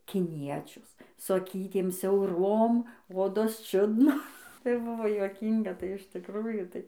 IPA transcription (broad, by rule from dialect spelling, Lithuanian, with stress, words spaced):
kʲɪˈnʲiɛt͡ʃʲʊs sʊ ɐˈkʲiːtʲeːm sʲɛʊˈroːm ˈoːdoːs ˈt͡ʃʲʊdnoː tɐɪ ˈbʊʋoː juɔˈkʲiːŋɡɐ tɐɪ ɪʃ tʲɪkˈruːjuː ˈtɐɪ